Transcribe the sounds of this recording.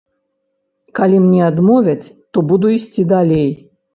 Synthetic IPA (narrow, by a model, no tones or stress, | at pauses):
kalʲimnʲɛad̪mɔvʲɐt͡sʲ | t̪ɔbud̪uisʲt͡sʲid̪alʲej